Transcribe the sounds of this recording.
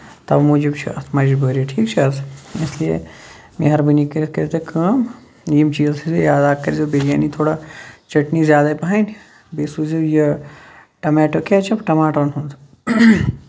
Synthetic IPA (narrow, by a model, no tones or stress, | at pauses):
t̪ɐbmuːd͡ʒibt͡ʃʰḭʔɐt̪ʰmaːiʃbəːɾieʈʰiːkt͡ʃʰiɐsisliḛ | mḛɦɐɾbɨnikɐɾkɐɾt̪ekʰɐːm | jimt͡ʃiːzsizejaːd̪aːkːɐɾʲzobeɡʲjaːnit̪ʰoːɽat͡ʃɐʈnizʲjaːd̪apɐɦan | beːsuzɐjɐ | ʈɐmɛːʈoket͡ʃʰɐpʈɐmaːʈoːnɦund̪